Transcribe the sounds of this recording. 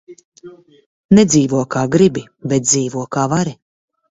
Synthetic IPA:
nɛd̪zʲiːvuɔkaːɡɾibi | bɛt̪̚d̪ziːvuɔkaːvaɾi

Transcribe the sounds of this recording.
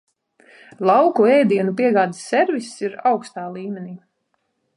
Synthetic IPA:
lˠɑwkuɛjd̪iɛnupiɛɡaːd̪i̥sʲːɛɾvisiɾawkst̪aːlˠiːmʲeniː

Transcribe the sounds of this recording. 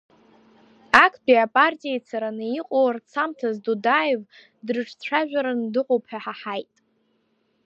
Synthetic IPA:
akʰbiapʼartʼijejt͡sʰaɾanɨiqʼowart͡sʰamtʰazdudajev | drɨʈ͡ʂʰʼt͡sʷʰaʒᶣaɾandɨqʼowpʰħaħaħajtʼ

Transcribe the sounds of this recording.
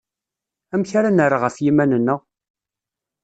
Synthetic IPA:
æmçaɾanəɾaʁəfjimænənːəʁ

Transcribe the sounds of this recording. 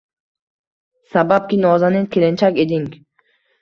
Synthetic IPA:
sabap̚kʲinɒzanɪkʲʰelent͡ʃʰakʲed̪iŋ

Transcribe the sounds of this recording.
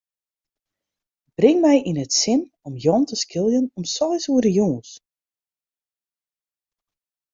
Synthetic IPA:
b̥rɪŋmɛjʔinətsɪn | ɔmjɔntəskʰɪlˠjənɔmsɔjsuədəjuːns

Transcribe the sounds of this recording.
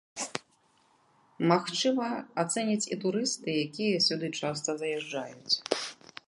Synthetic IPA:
maxt͡ʂɨmɐat̪sɛnʲit͡sʲit̪uɾɨst̪ɨjakʲijɐsʲud̪ɨt͡ʂast̪ɐzɐjɛʐd͡ʐa̰jut͡sʲ

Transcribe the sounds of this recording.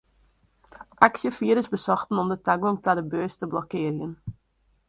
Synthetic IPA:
ʔaksjəfiəɾəsbəsɔxtənɔmdətaɡɔŋtadəbøːstəblɔkɪərjən

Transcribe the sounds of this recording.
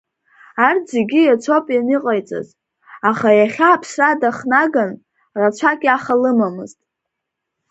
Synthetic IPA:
ard͡zeɡʲijat͡sʷʰopʼjanɨqʼajt͡sʼa̰z | aχajaχʲaːpʰsradaχnaɡan | rat͡ʃʷʰakʲʼaχalɨmamɨztʼ

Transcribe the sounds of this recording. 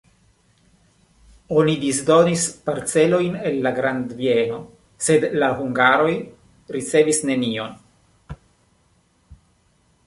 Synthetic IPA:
o̞nidisdo̞nispaɾt͡se̞lo̞jne̞lːaɡɾand̪vie̞no̞ | se̞d̪laɦuŋɡaɾo̞j | ɾit͡se̞visne̞nio̞n

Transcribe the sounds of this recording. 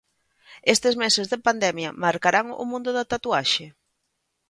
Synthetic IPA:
est̪ɪzmɛsezðɪpand̪ɛmjɐmaɾkaɾaŋʊ̰mũnd̪ʊðat̪at̪uaʃe

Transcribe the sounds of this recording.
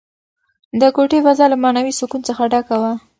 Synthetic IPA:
d̪əkoʈefazɑlamɑnawisʊkunt͡səxaɖakawa

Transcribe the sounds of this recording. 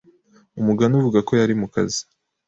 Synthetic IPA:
umuɡanuvuɡako̞jaɾimuka̰zi̥

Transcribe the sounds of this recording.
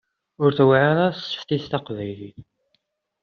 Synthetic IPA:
ʊɾθwʕaɾastːə̥ft̪iθt̪ɑqvæjliθ

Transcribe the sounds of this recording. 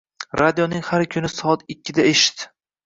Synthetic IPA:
ɾad̪ijonɪŋhaɾkʲʰʊnɪsɒɒt̪ɪkʲʰːɪd̪aeʃɪ̥t̪

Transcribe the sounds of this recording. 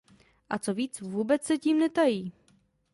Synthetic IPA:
ʔat͡soviːt͡svuːbɛt͡ssɛciːmnɛt̪ajiː

